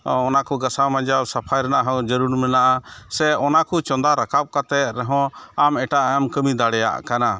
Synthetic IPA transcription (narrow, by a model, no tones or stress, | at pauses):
ɔnakuɡasamãd͡ʒawsapʰajɾɛnaʔɦɔ̃d͡ʒəɾuɽmɛnaʔasɛɔnakut͡ʃɔ̃nd̪aɾakap̚kat̪ɛɾɛɦɔ̃amɛʈaʔɛmkəmid̪aɽɛja̰ʔkana